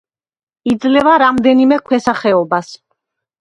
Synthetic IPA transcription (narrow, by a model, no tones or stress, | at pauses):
id̪zlɛvaɾamd̪ɛnimɛkʰwɛsaχɛɔbas